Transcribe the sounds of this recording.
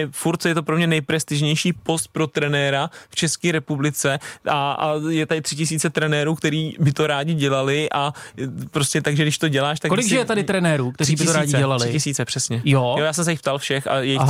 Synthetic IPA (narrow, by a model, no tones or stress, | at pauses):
ɛfuɾt̪t͡sɛjɛt̪̬opɾo̞mɲɛnɛjpɾɛst̪ɪʒɲɛjʃiːpo̞st̪̚pɾo̞t̪ɾɛnɛːɾaft͡ʃɛskiːɾɛpublɪt͡sɛʔaa̰jɛt̪adɪt̪r̥ɪcɪsiːt͡sɛt̪ɾɛnɛːɾuːk̚t̪ɛɾiːbɪt̪o̞ɾaːɟɪɟɛlalɪʔapɾoscʲɛt̪aɡʒɛdɪʃt̪o̞ɟɛlaːʃt̪akolɪɡʒɛjɛt̪adɪt̪ɾɛnɛːɾuːkt̪ɛɾibɪɪt̪oɾaːɟɪɛɛlalɪcɪsiːt͡sɛpr̥ɛsɲɛjojojaːs̬ɛms̬ɛjɪxpt̪alfʃɛxa̰jɛjɪ